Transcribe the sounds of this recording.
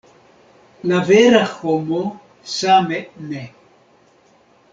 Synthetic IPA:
laveɾaxomo | samɛʔne

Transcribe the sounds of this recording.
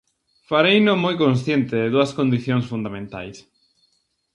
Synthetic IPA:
faɾejnomojkõns̬θjent̪ɪðɪðuɐskond̪iθjoŋsfund̪amẽnt̪a̰js

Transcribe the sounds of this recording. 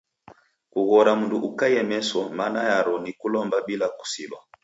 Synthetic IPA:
kuɣɔɾamunduʔukajɛmɛsɔmanajaɾɔnikulɔmbabilaku̥silwa

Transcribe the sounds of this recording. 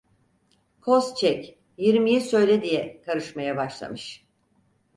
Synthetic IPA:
kʰo̞st͡ʃʰɛc | jiɾmijisø̞jlʲɛd̪ijɛkʰaɾɯʃmajabaʃlˠa̰mɯʃ

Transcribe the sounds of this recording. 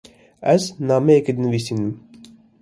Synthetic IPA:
ɛznɑːmɛeked̪nəvisinɨm

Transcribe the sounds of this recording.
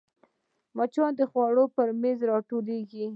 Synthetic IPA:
mɑt͡ʃɑnd̪əxwɑɽopəɾmezɾɑʈoleɡi

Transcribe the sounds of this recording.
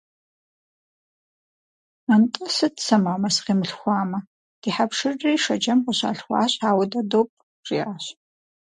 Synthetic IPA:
antʼɐsɨdsɐmaːmɐsqiːmɨɬxʷɑːmɐ | d̥iːħapʂɨrːiːʂɐd͡ʒɐmqʷʊɕa̰ːɬxʷɑ̰ːɕʼaːwɐdɐdoːp̚ʼ | rḭaːɕ

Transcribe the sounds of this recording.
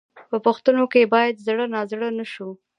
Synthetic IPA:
pəpəxt̪ənokebɑjad̪zɽənɑzɽənaʃu

